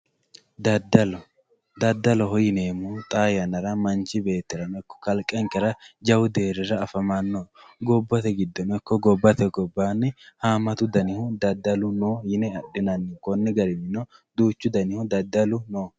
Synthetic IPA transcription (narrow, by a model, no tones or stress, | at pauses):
d̪ɐd̪ɐlɔ | d̪ɐd̪ːɐlɔhɔjɪneːmuːt̪ʼaːjɐnɐɾɐmɐnt͡ʃɪbe̞ːt̪ːɪɾɐnɔɪkːɔ̥kɐlkʼːɛŋkɛɾɐd͡ʒɐwʊd̪e̞ːɾɛɾɐːfɐmanːoːɡɔbːɐt̪ɛɡɪd̪ːɔnɔɪkːɔɡɔbːɐt̪ɛɡɔbːaːnːɪhaːmɐt̪ʊd̪ɐnɪhʊd̪ɐd̪ːɐlʊnoːjɪnɛɐɗɪnɐnːɪkɔnːɪɡɐɾɪmɪnɔd̪uːt͡ʃːʊd̪ɐnɪhʊd̪ɐd̪ːɐlʊnoː